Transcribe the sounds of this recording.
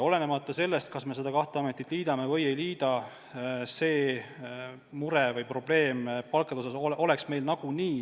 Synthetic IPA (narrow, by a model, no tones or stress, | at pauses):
o̞le̞ne̞mɑt̪ːˑɑse̞lːe̞st̪̚kɑsme̞se̞d̪ɑkɑht̪eɑmet̪ːˑit̪liːd̪̥ɑme̞vɤje̞jliːd̪̥ɑ | se̞ː | muɾevɤjpro̞b̥le̞ːmpɑlkɑd̪eosɑsoʔo̞le̞ksme̞jlnɑɡ̥uniː